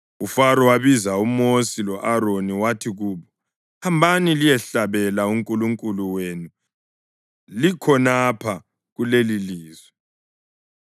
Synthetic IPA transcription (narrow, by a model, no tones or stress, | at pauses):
ufaɾɔwaβizaumosilɔʔaɾoniwatʰiɣuːβɔ | hambʱanilijɛɬaβɛlauŋkʼuluŋkʼuluwenu | likʰɔnapʰa | ɣuleliliːzwɛ